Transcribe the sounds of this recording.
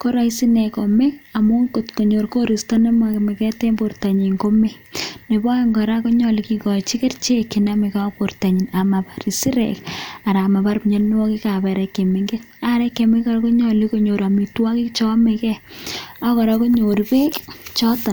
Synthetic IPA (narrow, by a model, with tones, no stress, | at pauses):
ko˦ɾa˦isi˦nɛ˨kɔ˨me˦ka˨mo˦ŋko˨tko˨ɲo˨ɾko˦ɾi˨stɔna˦ma˨kmɛ˨kɛ˦te˦mbo˨ɾta˨ɲi˨ŋko˦me˦ | ne˨bɔ˦ŋɡɔ˨ɾa˦ko˦ɲɔlikikɔ˨t͡ʃi˦ke˦rt͡ʃe˦ki˨name˨ka˦po˨rta˨ɲi˨na˨ma˨pa˨ɾi˨si˦ɾɛ̰ka˨ɾa˨ma˨ba˦ɾpɲɔ˦nn˦wɔ˦ki˦ka˨bɛ˨ɾɛkːe˨me˨ŋɡet | a˦ɾɛ˦kːe˨me˦kɔ˨ɾko˦ɲɔli˦ko˨ɲo˨ɾa˨mi˨twa˦ki˦kt͡ʃɔ˦me˨kɛ˦a˦kɔ˨ɾɔko˦ɲo˨ɾpe˦kt͡ʃɔ˦ta˨n